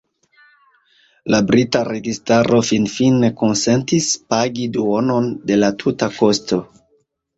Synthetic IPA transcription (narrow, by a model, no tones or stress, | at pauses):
labɾitaɾe̞ɡistaɾʔo̞finfineko̞nse̞ntispaɡiduo̞no̞nde̞latʰutako̞sto̞